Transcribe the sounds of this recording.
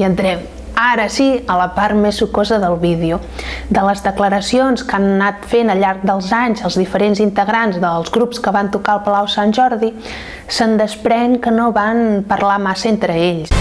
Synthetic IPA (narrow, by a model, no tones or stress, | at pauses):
iənd̪ɾɛm | aɾəsiələpaɾmesukɔzəðəlˠβiðiu | d̪ələzðəkləɾəsionskannat̪fenəʎaɾk̚d̪əlˠzaɲzəlˠzðifəɾenzint̪əɣɾanzðəlˠzɣɾupskəβant̪ukaəlˠpəlawsanʲʒɔɾði | sənd̪əspɾɛŋkənoβanpəɾlamasəent̪ɾəeʎs